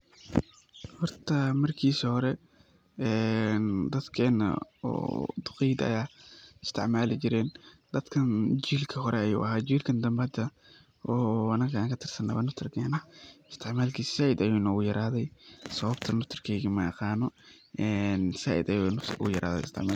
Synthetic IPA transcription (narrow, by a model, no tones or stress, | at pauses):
hɔrt̪ʰɐmɐrkʰiːsɐhɔɾɛ | ɛnd̪ɐd̪kʰɛːnɐ̰ɔ̰ːd̪ʊqijd̪ɐ̰jaːɪst̪ʰɪʕmaːlɪt͡ʃɪɾɛːnd̪̥ɐd̪kʰɐnt͡ʃiːlkʰɐɦɔɾɛɐjṵːʔɐɦaːd͡ʒiːlkʰɐnd̪ɐmbɐd̪ɐ | ʔɔːɐnɐɣʰaːŋkʰɐt̪ʰɪrsɐnɐ̰βɐnʊft̪ʰɪrkʰɛːnɐhɪst̪ʰɪʕmaːlkʰiːssaːʔɪd̪ɐjuːnɔːɣʊjɐɾaːðɛjsɐβɐbt̪ʰɐnʊft̪ʰɪrkʰɛːjɣimɐɛ̰qɑːnɔ | ʔɛnsaːʔɪ̰d̪ɐjunʊ̰ʊjɐɾʔa̰ːðɛ̰ɪst̪ʰɪ̰ʕmaːl